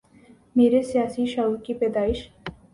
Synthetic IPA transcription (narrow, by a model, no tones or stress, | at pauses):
meːɾesijaːsiʃaukipɛːd̪aːɪʃ